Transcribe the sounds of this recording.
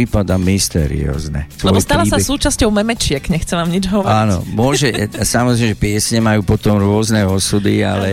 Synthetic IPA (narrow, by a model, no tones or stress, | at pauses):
ipad̪amist̪ɛ̰ɾḭɔ̰ːznɛsʋlɛɔbjst̪alasasuːt͡ʃascɔʊmɛmɛt͡ʃɪɛkɲɛxt͡sɛʋaːmɲid͡ʒɦɔʋɔɾainɔ̰mʊɔʒɛsamɔzɾɛjmɛʒɛpɪɛsɲɛmajuːpɔt̪ɔmɾʊɔznɛɔsud̪ia̰lɛ